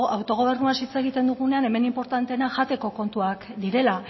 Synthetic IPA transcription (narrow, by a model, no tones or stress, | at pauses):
awt̪o̞ɣ̞o̞β̞e̞ɾnuasit͡seɣ̞it̪e̞nd̪uɣ̞une̞ane̞me̞nimpo̞ɾt̪ant̪e̞naʝat̪e̞ko̞ko̞nt̪uakd̪iɾe̞la